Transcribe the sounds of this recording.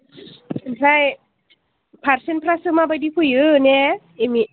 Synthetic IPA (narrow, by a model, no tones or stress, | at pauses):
ensaj | pʰaɾsenpʰɾasɯmaːbadipʰujɯnɛ | emi